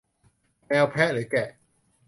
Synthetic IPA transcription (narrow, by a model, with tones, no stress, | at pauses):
mɛː˧wpʰɛː˦˥lɯː˩˦kɛ˨˩ʔ